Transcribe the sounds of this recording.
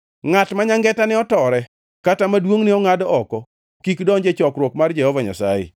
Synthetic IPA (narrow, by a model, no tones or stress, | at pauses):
ŋatmaɲaŋɡɛtanɪɔtɔɾɛ | katamadwoŋnɪɔŋadɔɔkɔ | kikdɔɲd͡ʒet͡ʃɔkɾwokmard͡ʒɛhɔvaɲa̰sa̰jɪ̰